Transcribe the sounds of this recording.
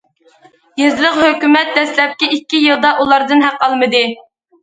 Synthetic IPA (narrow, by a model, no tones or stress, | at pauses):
jizlˠəqhøkʲymɛt̪̚d̪ɛslɛp̚kʲiikʲːijɨlˠd̪ɑʔulˠɑɾd̪ɨnɦæqɑlˠmɨd̪ɨ